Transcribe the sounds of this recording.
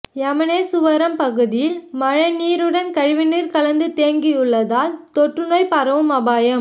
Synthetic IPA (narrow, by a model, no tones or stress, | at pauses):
ɛmɐneːsʊʋɐɾɐmpɐɣɯðɪjɪlmɐɻɐniːɾɯɽɐnkɐɻʋɪniːɾkɐlɐnd̪ɯt̪eːŋɡijɯɭːɐðaːlt̪ɔʈrɯnoːjpɐɾɐʋɯmɐbaːjɐm